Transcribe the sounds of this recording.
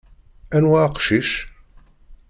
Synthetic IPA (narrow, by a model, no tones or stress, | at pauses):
ænwaqʃiʃ